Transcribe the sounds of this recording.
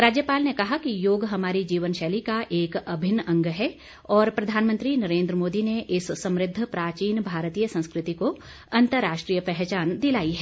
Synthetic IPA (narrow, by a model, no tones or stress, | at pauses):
ɾaːd͡ʒjəpaːlnekɐɦakijoːɡɦɐmaːɾid͡ʒiːʋənʃɛːlikaʔeːkɐbʱɪnɐ̃ŋɡɦɛ | ɔːɾpɾɐd̪ʱaːnmə̃nt̪ɾinɐɾẽːnd̪ɾəmoːd̪ineʔɪsːɐ̃mɾɪd̪ʱːpɾaːt͡ʃiːnbʱaːɾt̪iːjəsɐ̃nskɾɪt̪iko | ɐ̃nt̪əɾːaːʃʈɾijəpɛɦt͡ʃaːnd̪ɪlaːiɦɛː